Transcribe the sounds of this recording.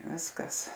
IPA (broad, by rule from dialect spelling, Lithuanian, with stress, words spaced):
ˈʋʲɪskɐs